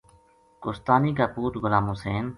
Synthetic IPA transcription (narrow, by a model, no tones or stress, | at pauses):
kʊst̪aːniːkaːpuːt̪ɡʊlaːmuseːn